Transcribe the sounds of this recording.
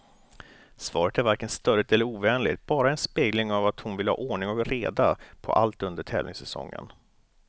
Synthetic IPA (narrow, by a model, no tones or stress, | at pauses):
svɑːɾət̪æɾvaɾkənst̪œɾət̪ɛlːəɾuːvɛːnlɪ̰ɡt̪̚bɑːɾaɛnspeːɡlɪŋavat̪hʊnvɪləhɑ̰ːʔoːɳɪŋɔkɾeːd̪apʰɔ̰ʔa̰lt̪ɵnd̪əʈʰɛ̰ːvlnɪ̰ŋsɛsɔ̰ŋːə̰n